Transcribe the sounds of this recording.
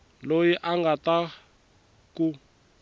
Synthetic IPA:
lojiʔaŋɡat̪a | ku

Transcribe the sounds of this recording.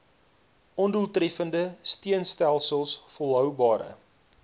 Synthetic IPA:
ʔɔnduəlˠtrɛfəndəstiənstælˠsəlˠsfɔlˠɦœwbɑːɾə̰

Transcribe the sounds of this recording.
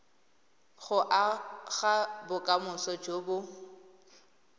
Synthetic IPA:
ɣʊʔaɣabʊkʼamʊsɔd͡ʒoːbʊ

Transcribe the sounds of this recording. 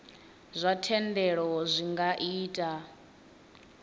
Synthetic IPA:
zʷatʰɛndɛɺɔzʷiŋɡaʔiːtʼa

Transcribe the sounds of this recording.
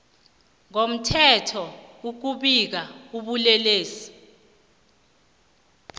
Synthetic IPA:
ŋom̩tʰɛtʰɔuk̬uɓik̬auɓulɛleːsi̥

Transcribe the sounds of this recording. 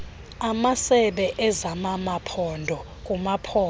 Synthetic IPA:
amasɛɓɛʔɛzamamapʰɔndʱɔ | k̬ʼumapʰɔ

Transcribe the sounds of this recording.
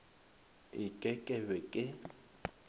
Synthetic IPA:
ɪkʼɛkʼɛbɛkʼɪ

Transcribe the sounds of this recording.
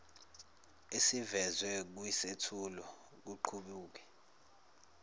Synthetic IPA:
esivɛzwɛk̬uisetʰulɔ | k̬uǃʰuɓuːk̬ɛ̥

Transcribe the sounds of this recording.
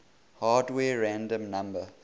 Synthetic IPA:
haːdwɛːɹæ̃ndə̃mnãmbə

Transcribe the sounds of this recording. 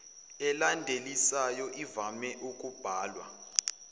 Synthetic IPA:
ɛlandʱelisajɔʔivamɛʔukʼub̥ʱaːlwa̰

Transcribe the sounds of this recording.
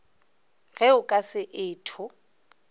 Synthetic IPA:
ɣɛʊkʼasɪʔɪːtʰʊ

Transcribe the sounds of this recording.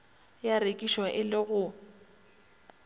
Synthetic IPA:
jarekʼiʃwaʔɪlɪɣʊ

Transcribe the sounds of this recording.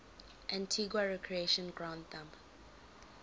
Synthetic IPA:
ʔãntʰiɡwaɹɛkʰɹieʃə̃nɡɹãʊ̃ndθãmp

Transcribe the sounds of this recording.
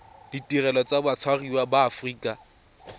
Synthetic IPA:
ditʼirɛlɔt͡sʼabat͡sʰwariwabaːfriːkʼa

